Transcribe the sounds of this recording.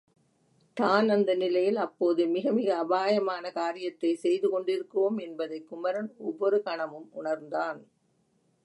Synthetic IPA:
t̪aːnɐnd̪ɐnɪlɐjɪlɐpːoːðɯmɪɣɐmɪɣɐːbaːjɐmaːnɐkaːɾɪjɐt̪ːɐɪsɛjðɯkɔɳɖɪɾɯkːɯʋoːmɛnbɐðɐɪkːʊmɐɾɐnɔʋːɔɾɯkɐɳɐmɯmʊɳɐɾnd̪aːn

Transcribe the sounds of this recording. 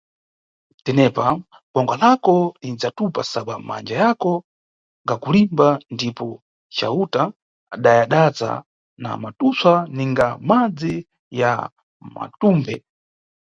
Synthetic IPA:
tɛnɛpa | ɡɔŋɡwalakɔlid͡zatupasaɓama̰nd͡ʒajakɔ | ɡakulimbandipɔ | t͡ʃa̰utaː | ɗajaɗaza̰ | na̰matuswaniŋɡamad͡zi | ja̰ | ma̰tuːmbɛ

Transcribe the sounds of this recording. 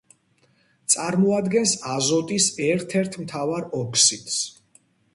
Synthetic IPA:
t̪sʼaɾmɔad̪ɡɛnsazɔt̪ʼisɛɾt̪ʰɛɾt̪ʰmt̪ʰavaɾɔkʰsit̪s

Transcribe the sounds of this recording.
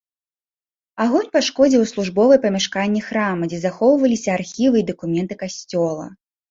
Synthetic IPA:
aɣɔnʲpaʂkɔd͡zʲiwslˠuʐbɔvɨjpɐmʲaʂkanʲːɛxɾamɐd͡zʲɛzaxɔwvɐlʲisʲɐarxʲivɨid̪ɐkumʲɛnt̪ɨkasʲt͡sʲɔlˠɐ̰

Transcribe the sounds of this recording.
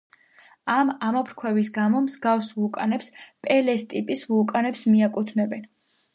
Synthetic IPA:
amamɔpʰɾkʰwɛvis̬ɡamɔmzɡafsvukʼanɛpspʼɛlɛst̪ʼipʼisvukʼanɛpsmiakʼut̪ʰnɛbɛn

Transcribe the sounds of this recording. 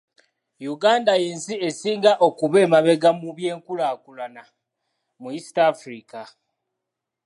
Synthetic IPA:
juɡaːndajeːnsie̞siːŋɡaʔo̞kuβe̞ːmaβe̞ɡamuβje̞ːŋkulaːkulana | muisi̥taːfɾika

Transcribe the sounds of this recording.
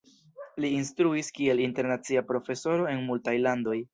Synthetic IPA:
liːnstɾuiskie̞linte̞ɾnat͡siapɾo̞fe̞so̞ɾo̞e̞nmultajlando̞j

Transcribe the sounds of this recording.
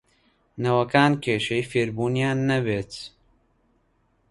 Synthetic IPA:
nɐwɐkaːnkʰeːʃejfeːɾbuːnijaːnːɐbeːt̪

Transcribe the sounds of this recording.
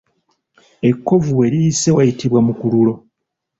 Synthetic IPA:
e̞kːo̞vuwe̞ɾijise̞wajitiβwamukululo̞

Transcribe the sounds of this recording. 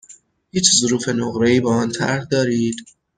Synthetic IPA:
hiːt͡ʃʰzoɾuːfe̞noɣɾeiːbeɒːnt̪ʰæ̰ɾhd̪ɒːɾiːd̪̥

